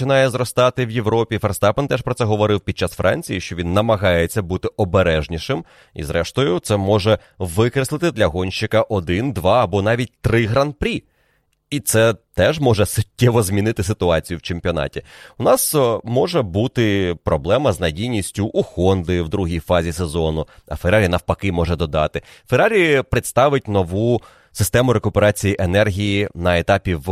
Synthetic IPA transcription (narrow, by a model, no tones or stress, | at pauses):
ɪnɑjɛzɾɔst̪ɑt̪ɪwjeʋɾɔpʲifɛrst̪ɑpɛnt̪ɛʃpɾɔtsɛɦɔʋɔɾɪwpʲid̪̚t͡ʃasfɾʔɑ̰nʲt͡sʲijiʃt͡ʃɔʋʲinːɐmɐɦɑjet͡sʲːɐbut̪ɪɔbeɾɛʒnʲiʃɪm | ḭzɾʔɛʃt̪ɔjʊt̪sɛmɔʒɛ | ʋɪkɾeslˠɪt̪ɪd̪lʲɐɦɔnʲʃɪkɐʔɔd̪ɪnd̪ʋɑɐbɔn̪ɑʋʲit̚ʲt̪ɾɪɦɾanpɾʲi | it̪sɛt̪ɛʒmɔʒɛsʊtʲːɛʋɔzmʲinɪt̪ɪsɪt̪ʊɑt͡sʲijʊwt͡ʃemʲpʲiɔnɑ̰tʲiʊnɑsmɔʒɛbut̪ɪpɾɔblˠɛmɐznɐdʲijnʲisʲtʲʊʔːxɔnd̪ɪwd̪ɾuɦijfɑzʲisezɔnʊɐ̰feɾaɾʲinɐwpɐkɪmɔʒɛd̪ɔd̪ɑ̰t̪ɪ | feɾaɾʲipɾɪt̪st̪ɑʋɪt̚ʲnɔʋu | sɪst̪ɛmʊɾekʊpeɾɑt͡sʲijiʔenɛrɦʲijinɐet̪ɑpʲiʋ